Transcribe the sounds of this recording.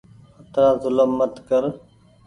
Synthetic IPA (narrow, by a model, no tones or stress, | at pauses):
ət̪ɾaːzʊləmːət̪kəɾ